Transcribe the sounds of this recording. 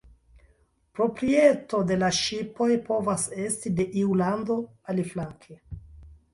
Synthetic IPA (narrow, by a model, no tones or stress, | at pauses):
pɾo̞pɾie̞to̞de̞laʃipo̞jpo̞vase̞stide̞ʔiulando̞ | aliflaŋkʰe